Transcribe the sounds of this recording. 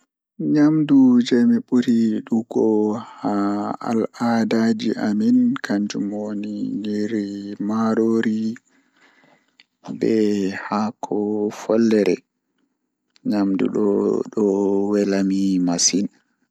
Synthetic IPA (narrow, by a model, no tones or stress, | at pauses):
ɲamdud͡ʒemiɓuɾiɗuɡɔhaa̰ladad͡ʒiʔaminkʰaɲd͡ʒumoniɲiɾimaɾoɾi | bɛhakʰɔfɔlːɛɾɛ̰ | ɲamdṵɗɔ̰ɗɔwɛlamimasin